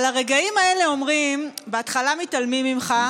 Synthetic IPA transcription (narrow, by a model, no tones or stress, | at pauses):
laʁe̞ɡaimae̞le̞o̞mʁimbeat̪χalamitalmimimχa